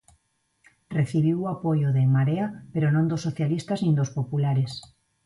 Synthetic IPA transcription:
reθiβ̞iwapojoðemaɾeapeɾonõnd̪osːoθjalist̪aznĩnd̪ospopulaɾes

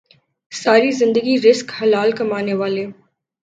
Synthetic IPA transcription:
saːɾizɪ̃nd̪əɡiɾɪskhɐlaːlkɐmaːneʋaːleː

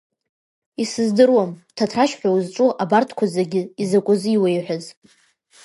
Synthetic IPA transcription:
isɨzdɨrwamtʰatʰraʃħʷᶣazʈ͡ʂʼuʔabartʰkʷʰazaɡʲɪizakʷʼʊziiwejħʷᶣaz

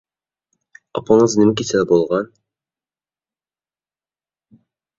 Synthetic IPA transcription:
ɑ̰pʰɑɴəznɪmɪk̬ʲisɛlbolˠʁɑn

